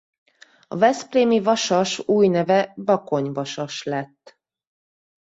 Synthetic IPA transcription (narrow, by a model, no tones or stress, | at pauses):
ɒ̰vɛspreːmivɒʃɒʃuːjnɛvɛbɒko̞ɲvɒʃɒʃlɛt̪ː